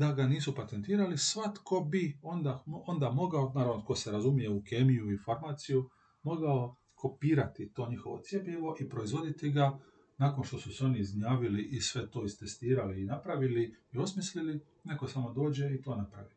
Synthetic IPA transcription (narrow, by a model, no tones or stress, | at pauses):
d̪aɡaniːsupat̪e̞nt̪iːɾalisʋat̪ko̞bio̞nd̪aond̪amo̞ɡaonaːɾaʋnot̪̚ko̞seɾazumije̞ukeːmijuifaɾmaːt̪siju | mo̞ɡao̞ | kʰo̞piːɾat̪it̪o̞ːɲixo̞ʋo̞̰t̪sʲje̞pʎeʋo̞ʔipɾo̞izʋo̞d̪it̪iɡa | naːko̞nʃt̪o̞suseo̞niːzɲaːʋiliʔisʋe̞t̪o̞ːist̪est̪iːɾaliːnapɾaʋiliio̞smislili | ne̞ko̞samo̞d̪o̞ːd͡ʑe̞it̪o̞ːnapɾaʋi